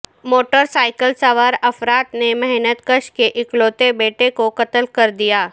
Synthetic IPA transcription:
moːʈəɾsaːɪkəlsəʋəɾɐfɾaːt̪nemɛɦnət̪kəʃkeʔɪkloːt̪ebeːʈekokɐt̪əlkɐɾd̪ijaː

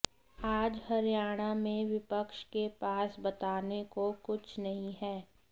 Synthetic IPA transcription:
aːd͡ʒhɐɾjaːɽ̃amẽʋɪpəkʃkepaːsbɐt̪aːnekokʊt͡ʃʰnɐɦĩɦɛː

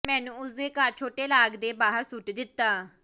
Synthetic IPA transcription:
mɛ̃ːnũːʊseːkaɾt͡ʃʰoːʈeːlaːɡd̪eːbaːɦəɾsʊʈd̪ɪt̪ːaː

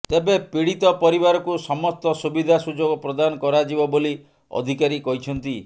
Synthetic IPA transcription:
t̪ebepiɽit̪ɔpɔɾibaɾɔkusɔmɔst̪ɔsubid̪ʱasud͡ʒoɡɔpɾɔd̪anɔkɔɾad͡ʒibɔboli | ɔ̰d̪ʱikaɾikɔɦit͡ʃʰɔnt̪i

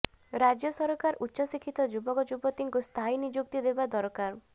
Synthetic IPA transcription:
ɾad͡ʒjɔsɔɾɔkaɾutːʃɔsikʰːit̪ɔd͡ʒubɔkɔd͡ʒubɔt̪iŋkust̪ʰainid͡ʒuk̚t̪id̪ebad̪ɔɾɔkaɾ

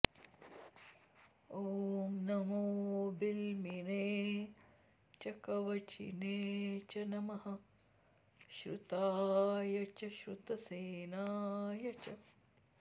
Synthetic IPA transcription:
oːmnɐmoːbilmineː | t͡ʃɐkɐʋɐt͡ʃḭneːt͡ʃɐnɐmɐɦɐ | ʃɾut̪aːjɐt͡ʃɐʃɾut̪ɐseːnaːjɐt͡ʃɐ

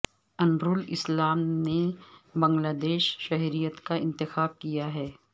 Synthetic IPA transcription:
ɐnbɾulɪ̰slaːmnebɐ̃ŋɡlaːd̪eːʃʃɐɦɾijət̪kaɪ̃nt̪ɪxaːb̚kijaɦɛː

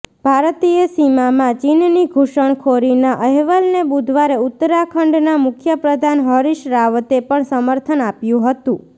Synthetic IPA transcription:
b̥ʱaɾt̪ijesimamãt͡ʃinniɡʱuʃəɳ̃kʰoɾinaʔəɦʋəlnebud̪ʱʋaɾeʊt̪ːəɾakʰəɳɖnamʊkʰjəpɾəd̪ʱanɦəɾiʃɾaʋət̪epəɳsəməɾt̪ʰənapjũɦət̪ũ

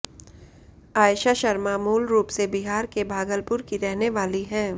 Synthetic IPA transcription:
aːjʃaʃɐɾmaːmuːlɾuːpsebɪɦaːɾkebʱaːɡəlpʊɾkiɾɛɦneʋaːliɦɛ̃ː

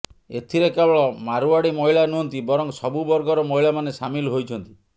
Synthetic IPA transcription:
et̪ʰiɾekebɔɭɔmaɾuaɽimɔɦiɭanuɦɔnt̪ibɔɾɔŋsɔbubɔɾɡɔɾɔmɔɦiɭamanesamilɦojt͡ʃʰɔnt̪i̥

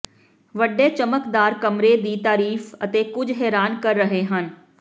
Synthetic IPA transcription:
ʋəɖːeːt͡ʃəməkd̪aːɾkəmɾeːd̪iːt̪aːɾiːfə̰t̪eːkʊd͡ʒɦɛːɾaːnkəɾːəɦeːɦən

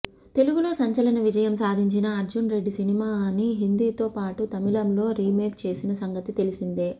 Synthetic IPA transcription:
t̪e̞luɡulo̞ːsɐɲt͡ʃɐlɐnɐʋid͡ʒɐjɐmsaːd̪ʱiɲt͡ʃinɐɐɾd͡ʒunɾe̞ɖːisinimaːniɦind̪iːt̪o̞ːpaːʈut̪ɐmilɐmlo̞ːɾiːmeːkt͡ʃe̞ːsinɐsɐŋɡɐt̪it̪e̞lisind̪eː

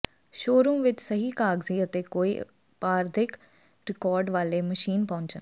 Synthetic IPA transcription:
ʃoːɾũːʋɪt͡ʃsəɦiːkaːɡziːət̪eːkoːḭː | paːɾd̪ʱɪk | ɾɪkɔːɾɖʋaːleːməʃiːnpɔ̃ːɲt͡ʃən

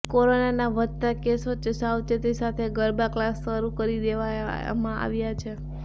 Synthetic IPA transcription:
koɾonanaʋət̪t̪akesot͡ʃəsawt͡ʃ̪et̪isat̪ʰeɡəɾbaklasːəɾukəɾid̪eʋajmãʔa̰ʋjat͡ʃʰe

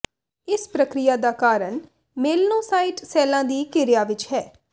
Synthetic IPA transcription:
ɪspɾəkɾɪjaːd̪aːkaːɾəɳ | meːlnõːsaːɪʈsɛːlãːd̪iːkɪɾɪjaːʋɪt͡ʃɦɛː

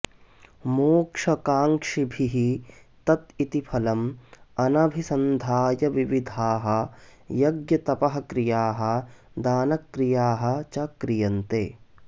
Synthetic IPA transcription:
moːkʂɐkaːŋkʂibʱiɦi | t̪ɐt̪it̪ipʰɐlɐmɐnɐbʱisɐnd̪ʱaːjɐʋiʋid̪ʱaːɦɐ̆jɐɡjɐt̪ɐpɐɦɐkɾijaːɦɐ̆ | d̪aːnɐkɾijaːɦɐ̆t͡ʃɐkɾijɐnt̪eː

